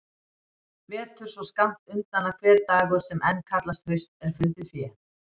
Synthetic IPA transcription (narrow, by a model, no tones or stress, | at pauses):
vɛːt̪ʰʏɾ̥svɔskam̥t̪ʏnt̪anakʰvɛːɾt̪aːɣʏɾ̥sɛmʔɛnːkʰat̪last̪hʏɥst̪ɛɾ̥fʏlt̪ɪðfjɛ